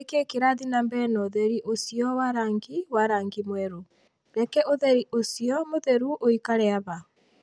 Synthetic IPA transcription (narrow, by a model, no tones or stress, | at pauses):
ekekeɾaðinambɛnɔðɛɾiʔosiɔwaɾaːŋɡiwaɾaːŋɡimwɛɾo | ɾɛkɛʔoðɛɾiʔosiɔmoðɛɾuʔoikaɾɛaβa